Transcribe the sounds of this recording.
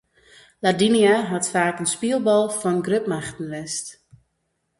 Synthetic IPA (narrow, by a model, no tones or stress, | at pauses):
ladiniaɦɔtfaːkənspiəlˠbɔlˠfɔnɡrøpmaxtən̩ʋɛst